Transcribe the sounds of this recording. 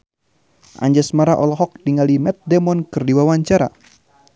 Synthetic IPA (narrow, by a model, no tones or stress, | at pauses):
ʔa̰ɲd͡ʒɛsmaɾaʔɔlɔɦɔk̚diŋalimɛt̪̚dɛmɔnkɨrdiwawaɲt͡ʃaɾa̰